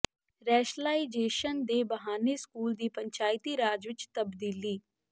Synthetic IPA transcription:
ɾɛːʃlaːid͡ʒeːʃənd̪eːbəɦaːneːskuːld̪iːpəɲt͡ʃaːɪt̪iːɾaːd͡ʒʋɪt͡ʃt̪əbd̪iːliː

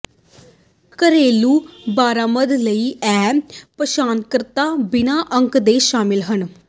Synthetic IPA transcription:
kəɾeːluːbaːɾaːməd̪ləiːɛːpəʃaːnkəɾt̪aːbɪnaːʔəŋkd̪eːʃaːmɪlɦən

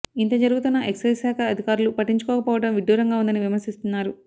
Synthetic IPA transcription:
int̪ɐd͡ʒɐɾuɡut̪unːɐʔe̞ksɐjsaːkʰɐːd̪ʱikaːɾulupɐʈːiɲt͡ʃu̥kɔːkɐpɔːʋɐɽɐmʋiɖjuːɾɐŋɡaːund̪ɐniʋimɐɾsist̪unːaːɾu

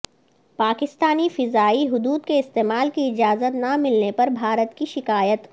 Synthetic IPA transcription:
paːkɪst̪aːnifɪzaːiɦʊd̪uːd̪keɪst̪eːmaːlkiɪd͡ʒaːzət̪namɪlnepɐɾbʱaːɾət̪kiʃɪkaːjət̪

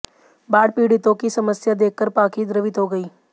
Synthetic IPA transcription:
baːɽpiːɽɪt̪õkisɐməsjad̪eːkkːəɾpaːkid̪ɾəʋɪt̪ɦoɡɐiː

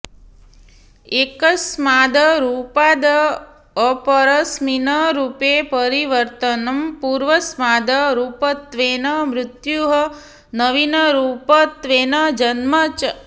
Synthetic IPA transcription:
ekəsmad̪əɾupad̪ə | əpəɾəsminəɾupepəɾiʋəɾt̪ənɐmpuɾʋəsmad̪əɾupət̪ʋenəmɾɪt̪juɦə | nəʋinəɾupət̪ʋenəd͡ʒənmət͡ʃ

